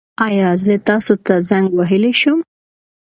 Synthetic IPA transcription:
ɑjɑzət̪ɑsot̪azaŋɡwaɦəleʃum

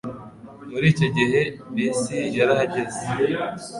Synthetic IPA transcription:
muɾiːcoɟiɦe̞bisijaɾahaɟeze

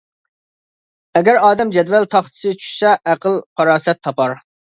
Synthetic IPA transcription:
ɛɡʲɛɾɑːd̪ɛmd͡ʒɛd̪vɛlt̪ʰɑχt̪ʰɨ̥sɨt͡ʃʰy̥ʃsɛʔæqəlˠqʰɑɾɑːsɛt̪ʰːɑpɑɾ

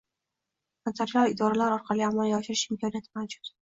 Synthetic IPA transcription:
ant̪ʰaɾjɒwɪd̪ɒɾalaɾɒɾqʰɑliamɒlˠjɒʃɪɾɪʃɪmkʰɒnijat̪ʰɪmand͡ʒʊt̪

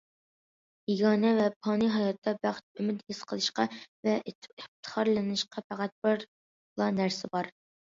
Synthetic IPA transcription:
iɡɑːnɛvɛpʰɑːniɦɑjɑt̪ːɑbæχt̪̚ymɪt̪hɪsqʰəlˠɨʃqɑvɛɪp̚t̪ʰə̥χɑɾlˠɨnɨʃqʰɑpʰæqæt̪̚bɪɾ | lˠɑnæɾsɪbɑɾ

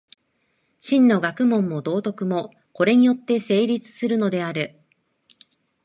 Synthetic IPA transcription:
ɕĩnːo̞ɡakɯ̟mõ̞mːo̞d̪o̞ːt̪o̞kɯ̟mo̞ | ko̞ɾe̞ɲ̟ijo̞t̪ːe̞se̞ːɾʲit͡sɨ̥sɨɾɯ̟no̞d̪e̞aɾɯ̟

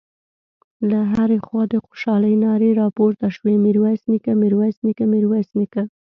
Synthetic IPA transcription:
laɦaɾexwɑd̪əxo̥ʃɑləjnɑɾeɾɑpoɾt̪aʃwemiɾwajsnikamiɾwajsnikamɪɾwajsnika

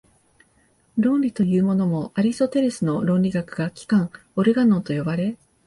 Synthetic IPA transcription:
ɾõ̞nɾʲit̪o̞jɯ̟ːmo̞no̞mo̞aɾʲist̪o̞t̪e̞ɾe̞sɨno̞ɾõ̞nɾʲiɡakɯ̟ɡakʲi̥kãŋ̃ | o̞ɾe̞ɡano̞ːt̪o̞jo̞baɾe̞

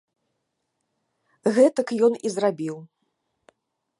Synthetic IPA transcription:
ɣɛt̪ɐkjɔnḭzrabʲiw

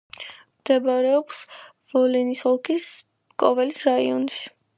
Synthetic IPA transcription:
mmd̪ɛbaɾɛɔps | vɔlinishɔlˠkʰis | kʼɔvɛlisɾaiɔn

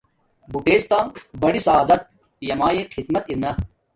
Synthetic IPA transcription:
buʈeːst̪aːmbɐɽisɐaːd̪ɐt̪̚ | jɐmaːjeqʰid̪mɐt̪inːɐ

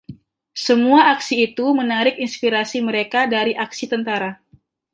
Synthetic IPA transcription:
səmuaːksiːt̪umənaɾɪkinspiɾasiməɾekadaɾiʔaksit̪ənt̪aɾa

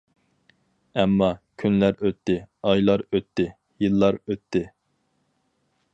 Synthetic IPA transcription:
ɛmːɑkʲʰynlæɾøt̪ʰːɪɑjlˠɑɾøt̪ʰːɪ | jɨlˠːɑɾøt̪ʰːɪ

